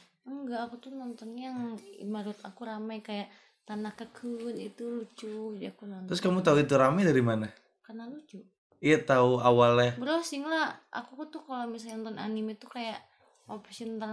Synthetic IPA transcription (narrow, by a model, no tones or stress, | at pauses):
əŋɡaːkut̪unɔnt̪ɔnjaŋḭmaɾut̪akuɾamajkajaʔ | t̪anakəkʰənit̪ulut͡ʃuɡdiakunant̪ɾʊskamut̪auit̪uɾamɛdaɾimana | karnalut͡ʃu | iat̪auawalɛbəɾɔsiŋlaʔa̰kukut̪ukalomisalnɔnt̪ɔna̰nimit̪ukajaʔ | opisint̪a